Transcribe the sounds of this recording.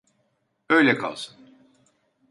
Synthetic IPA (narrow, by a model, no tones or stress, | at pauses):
øjlʲɛkʰa̰lˠsɯ̥n